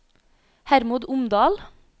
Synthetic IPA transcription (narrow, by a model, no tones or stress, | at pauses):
hæɾmuːd̪ʊmd̪ɑːl